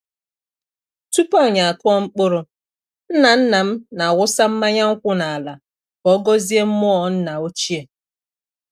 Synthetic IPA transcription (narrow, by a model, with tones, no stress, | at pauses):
tu˦pa˦˨ɲa˨a˨kʊ˦ɔ˦ŋ͡m̩˦k͡pʊ˦ɾʊ˨ | n̩˦na˨n̩˦na˨m̩˦na˨ɣʷʊ˦sa˦m̩˦ma˦ɲa˦ŋ̩˦kʷʊ˦na˨a˨la˨ | kɔ˦ɡɔ˦zi˦e˦m̩˦mʊ˦ɔ˦˨n̩˦na˨o˦t͡ʃi˦e˨